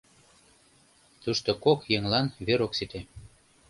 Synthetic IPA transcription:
t̪uʃt̪okokjeŋlɑnβeɾoksit̪e

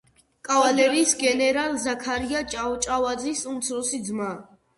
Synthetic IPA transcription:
kʼavalɛɾiːsɡɛnɛɾalzakʰaɾiat͡ʃʼaɔt͡ʃʼavad̪zisumt̪sʰɾɔsid̪zma

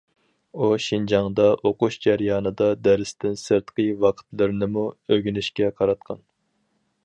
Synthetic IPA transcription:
uʃind͡ʒɑŋd̪ɑʔoquʃd͡ʒæɾjɑːnɨd̪ɑd̪æɾɪst̪ɪnsɨɾt̪qəjvɑqʰt̪lɨɾɪnɪmuøɡʲynɪʃkʲɛqʰɑɾɑt̪̚qʰɑn

